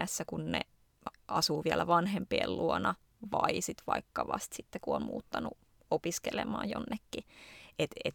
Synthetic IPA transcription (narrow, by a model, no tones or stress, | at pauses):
æsːækunne | ɑsuːʋiælæʋɑnhempḭːlluonɑ | ʋɑisit̪ʋɑ̰ikːɑʋɑst̪sit̪ːekuonmṵːt̪ːɑnṵ | opiskelemɑːjonːekːiet̪et̪